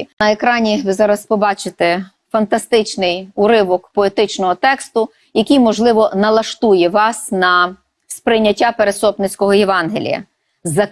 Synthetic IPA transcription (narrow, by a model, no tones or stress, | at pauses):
nɐekɾɑnʲiʋɪzɑɾɐspɔbɑt͡ʃɪt̪ɛ | fɐnt̪ɐst̪ɪt͡ʃnɪjʊɾɪʋɔkpɔet̪ɪt͡ʃnɔɦɔt̪ɛkst̪ʊ | jɐkʲijmɔʒlˠɪʋɔnɐlˠɐʃt̪ujɛʋɑsnɐ | spɾɪjnʲːɐtʲːapeɾesɔpnɪt͡sʲkɔɦɔjeʋɑnɦelʲḭjɐ̰ | zɐ